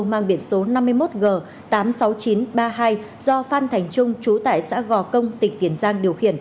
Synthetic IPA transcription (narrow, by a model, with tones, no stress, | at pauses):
maː˧˩ŋɓi˧˩ənso˨˦na˧mːɨ˧əjmo˦˥t̚ɣəː˨˩ | t̪aː˨˦msa˨˦wt͡ɕi˨˦nɓaː˧ɦaː˧j | zɔ˧faː˧nt̪ʰɛ˨˩jŋ̟t͡ɕʊ˧ŋ͡mt͡ɕu˨˦t̪a̰ː˧˨jsa̰ː˧˥ɣɔ˧˩kə˧wŋ͡mt̪ï˨˩ŋ̟t̪i˧˩ənzaː˧ŋɗi˨˩əwxḭ˧˨ən